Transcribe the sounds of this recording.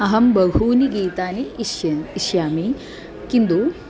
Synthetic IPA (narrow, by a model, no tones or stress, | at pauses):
ɐɦɐmbɐɡʱuːniɡiːt̪aːniː | ʃjaːmi | kind̪u